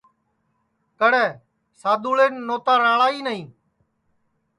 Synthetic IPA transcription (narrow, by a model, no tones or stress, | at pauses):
kəɽɛː | saːd̪uːɭeːnːoːt̪aːɾãːɭaːiːnəĩː